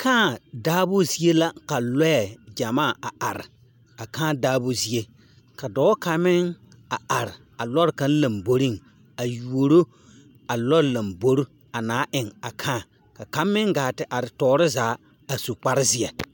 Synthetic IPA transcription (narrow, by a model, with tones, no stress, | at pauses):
kʰãː˦˨daː˦bʊ˦zi˦e˦la˦ka˨lɔ˦jɛ˨d͡ʒa˨maː˦˨a˨a˨ɾɪ̰˨ | a˨kãː˦daː˦bo˦zi˦e˦ | ka˨dɔː˨˦ka˨mɪ˦ŋ | a˨ʔa˨ɾɪ˨ | a˨lɔ˦ɾka˦n˦la˨mbo˨ɾi˦˨ŋ | a˨ju˨o˨ɾo˦ | a˨lɔ˦ɾla˨mbo˦ɾʊ˦ | a˨naː˨˦ʔɪ˨ŋa˨kʰãː˦˨ | ka˨ka˦mːɪ˦ŋɡaː˨tɪ˨ʔa˨ɾɪ˨tɔː˨˦ɾɪ˦zaː˨˦ | a˨su˨k͡pa˦ɾɪ˦zɪ˦ɛ˨